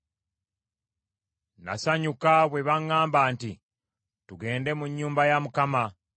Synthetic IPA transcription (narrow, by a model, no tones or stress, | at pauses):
na̰saɲukaβwe̞βaŋːaːmbaːnti | tuɡe̞ːnde̞muɲːuːmbajamukama